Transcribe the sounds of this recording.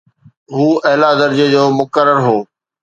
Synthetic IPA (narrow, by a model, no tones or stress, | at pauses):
ɦuːɐɦɪlad̪əɾd͡ʑəd͡ʑoːmʊkəɾːəɾɦoː